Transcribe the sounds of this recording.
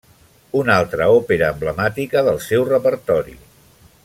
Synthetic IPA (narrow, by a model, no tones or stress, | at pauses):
unalˠt̪ɾəopeɾəːmbləmat̪ikəðəlˠsɛwrəpəɾt̪ɔɾḭ